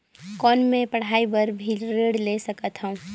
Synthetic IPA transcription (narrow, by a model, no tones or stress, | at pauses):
kɔːnmẽpɐɽ̤aːibəɾbʱilɾeːɽlesəkət̪ɦə̃ũ